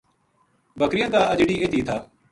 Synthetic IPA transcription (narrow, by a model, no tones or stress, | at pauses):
bəkɾɪjãːd̪aːəd͡ʒɽiːʔet̪iːt̪ʰaː